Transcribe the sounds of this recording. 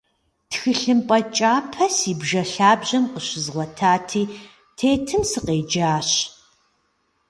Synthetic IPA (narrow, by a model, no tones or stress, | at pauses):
txɨɬɨmpʼɐt͡ʃʼaːpʰɐsiːbʒɐɬaːbʑɐmqəɕɪzʁʷɔtʰaːtʰiː | tʰeːtʰɨmsɨqeːd͡ʒaːɕ